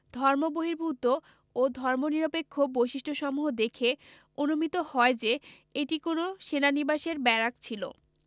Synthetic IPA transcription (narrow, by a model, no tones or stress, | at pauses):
d̪ʱɔɾmoboɦiɾbʱut̪o | od̪ʱɔɾmoniɾopekʰːobojʃiʃʈʰoʃɔmuɦod̪ekʰe | onomit̪ohɔed͡ʑe | eʈikonoʃenanibaʃeɾbɛɾakt͡ɕʰilo̰